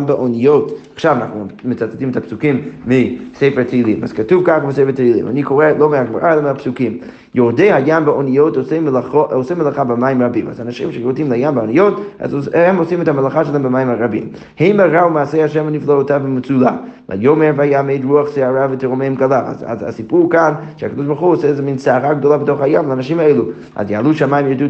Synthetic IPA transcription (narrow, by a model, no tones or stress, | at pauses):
mbaʔonijotaχʃavana̰χnumɪt͡sat͡setimɛtʰapsukimːiseɪfɛʁtʰilima̰z̥katuvkaχabəseɪfəteilˠḭma̰nikʰoʁɛlˠomeaɡmaʁaelˠɛmeapsukim | jodejhajambaonijotosemlaoʔosɛmelˠaχabɪmajɪmʁabima̰zanaʃimʃɛjodimlajambaonijota̰zhɛmosimɛthamelaχaʃəlˠɛmbəmajimaʁabḭm | hemaʁaumaːsejhaʃɛmuniflˠaotavəmɪt͡sulala̰jomevajaːmeɪdʁuaχseaʁavəteʁomeɛmkalˠaa̰a̰za̰sipuʁkanʃəakad̪ɔʃbaʁχuosɛɛzɛminsaaʁaɡd̪olˠabətoχhajamlaanaʃimaejlu | a̰zjaːlˠuʃamajimjodu